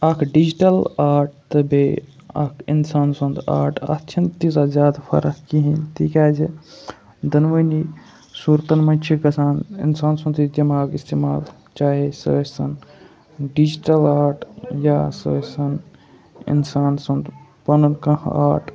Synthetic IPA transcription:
ɐkʰɖid͡ʒiʈɐlaːɾʈ̚t̪ɐbeɐ̰kʰinsaːnsɐnd̪a̰ːɾʈʰɐ̰t̪ʃʰɐnt̪isɐzʲaːd̪pʰɐ̰ɾɐkkiɦĩnt̪iːkʲaːd͡ʒe | d̪ɐnʋɐni | suːɾt̪ɐnmɐnʲt͡ʃʰikɐsaːnḭnsaːnsɐ̃nd̪it̪imaːɡist̪emaːl | t͡ʃaːɦesɐ̰sɐn | ɖid͡ʒiʈɐlaːɾʈʰjasɐsɐn | ḭnsaːnsɐ̃nd̪ | pɐnɐnkɐ̃ɦaːʈ

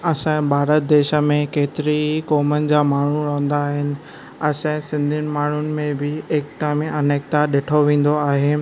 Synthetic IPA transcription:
ɐsãbʱaːɾət̪̚d̪eːʃə̆mẽkeːt̪ɪɾikɔːmənɪ̆d͡ʑaːmaːɳ̤uɾɐ̃ɦə̃nd̪aːɦɪnɪ̆ | ɐsɛ̃sɪ̃nd̪ʱɪnɪ̆maːɳ̤ʊnɪ̆mẽbɪeːk̚t̪amẽʔɐneːk̚t̪aɗeːʈʰoʋẽːn̆d̪oaːɦeː

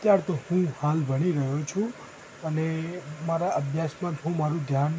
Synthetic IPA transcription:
t̪jaɾt̪ohũhalbəɽiɾəɦjot͡ʃʰũ | ənemaɾaʔəbʱjasmãd͡ʒɦũmaɾũd̪ʱjan

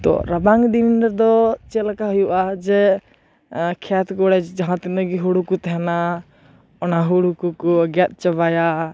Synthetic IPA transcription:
t̪ɔ̰ɾabaŋd̪innɛd̪ɔt͡ʃɛlkaɦɔjuʔad͡ʒɛ | kʰɛt̪ʰkɔɽɛd͡ʒaɦãt̪inəɡiɦuɽukut̪ɛɦɛna | ɔnaɦuɽukukɔɡjat̪̚ˀt͡ʃəbaja

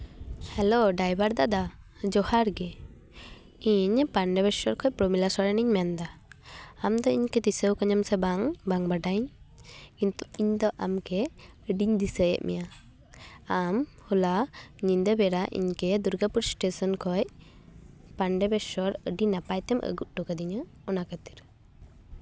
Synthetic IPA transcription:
hɛloɖajbaɾd̪ad̪ad͡ʒɔhaɾɡɛ | iɲpaɳɖɛbɛsɔɾkʰɔjpɾɔmilasɔɾɛniɲmɛnd̪aː | md̪ɔiɲkɛd̪isəwkɔɲɔmsɛbaŋbaŋbaɖaɲ | int̪u̥iɲd̪ɔʔamkɛəɖiɲd̪isəjɛ̰ʔmʔɛ̰ja | am | hulaɲind̪əbɛɾaʔḭɲkɛd̪uɾɡapuɾsʈesɔnkʰɔj | paɳɖɛbɛsɔɾəɖinapajt̪ɛmʔə̰ɡut̪̚ʈukad̪iɲə | ɔnakət̪i̥ɾ

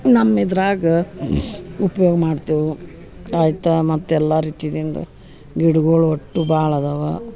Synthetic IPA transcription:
nɐmːid̪ɾaːɡɐ | upɐjoːɡɐmaːɖt̪iːʋu | aːjt̪ːɐmɐt̪ːuɛlːaːɾiːt̪id̪ind̪ɐ̰ | ɡiɽuɡoːɭoʈːubʱaːɭɐd̪ɐʋɐ

